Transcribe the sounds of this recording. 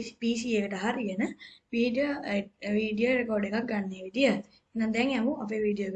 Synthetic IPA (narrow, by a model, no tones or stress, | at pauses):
piːsiːekəʈəɦaɾiənəʋiːɖioʋiːɖijoɾekoːɾɖekak̚ɡanːeːʋid̪ijə | enːãd̪ɛŋɛmuʔap̬eːʋiːɖijoɡ